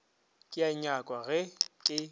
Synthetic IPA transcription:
kʼɪaɲakʼwaɣɛkʼɪ

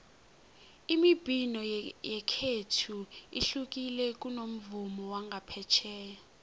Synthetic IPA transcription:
imib̥ʱinɔjɛkʰetʰuḭɬuk̬ʼilɛk̬ʼunom̩vumɔwaŋɡʱapʰɛt͡ʃʰɛː

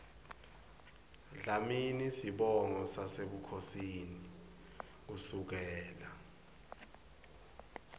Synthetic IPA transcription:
ɮaminisiɓɔŋɔsaseɓukʰosini | k̬usuk̬ɛːla

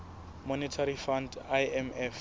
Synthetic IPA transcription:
mɔnɛtʰaɾifandaɛmɛf

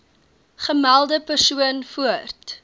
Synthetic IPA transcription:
χəmælˠdəpərsuənfuərt

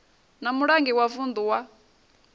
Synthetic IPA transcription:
namuɺaŋɡiwavund̪uwa

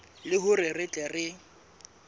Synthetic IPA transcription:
lɪɦʊrɪrɪt͡ɬʼɛrɪ

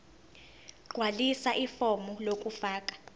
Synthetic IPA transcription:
ɡ͡ǃ̥ʱwalisaʔifɔmulokʼufaːk̬ʼḁ

